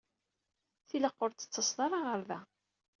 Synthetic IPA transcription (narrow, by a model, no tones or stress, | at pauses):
θiləqːoɾt͡s̪ːə̥t͡sːɑsˤðˤɑɾˤɑʁəɾðæ